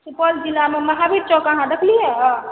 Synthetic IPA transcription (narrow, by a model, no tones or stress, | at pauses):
supəld͡ʒilameməɦabʱiʈt͡ʃɔkəɦãd̪əkʰlijɛ̃